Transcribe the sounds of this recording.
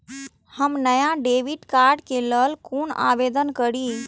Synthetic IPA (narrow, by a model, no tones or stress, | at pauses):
həmnəjaɖeʋiʈkaɾɖkeləlkona̰bed̪ənkəɾi